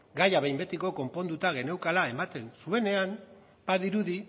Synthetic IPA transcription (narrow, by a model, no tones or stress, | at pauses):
ɡajaβejmbe̞t̪iko̞ko̞mpo̞nd̪ut̪aɣ̞e̞ne̞wkalae̞mat̪e̞nsue̞ne̞an | b̥aðiɾuði